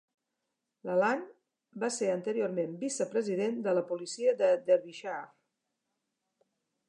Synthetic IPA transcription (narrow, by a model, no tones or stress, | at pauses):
ləlan | baseɾənt̪əɾioɾmembisəpɾəziðend̪ələpulisiəd̪əd̪əɾβiʃa